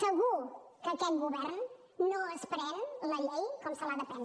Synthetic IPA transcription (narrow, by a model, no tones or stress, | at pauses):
səɣukəːkɛt̪̚ɡuβɛɾnː | oəspɾɛnləʎejkɔmsəlaðəpɛn